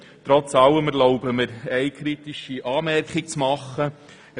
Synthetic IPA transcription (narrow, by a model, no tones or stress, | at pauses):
t̪ɾɔt͡sɑwəməɾlɔʊbəməɾɛɪkʰɾit̪iʃiʔɑːmɛrkχɪk̚t͡smɑχːə